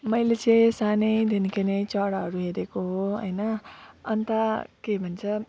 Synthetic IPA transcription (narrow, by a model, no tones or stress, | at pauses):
mʌjlet͡sʌj̃sanejd̪ʱenikʌnʌjt͡sʌɽaɦʌɾuɦeɾekoɦoɦʌ̰jnʌʌnt̪akebʱʌnt͡sʰʌ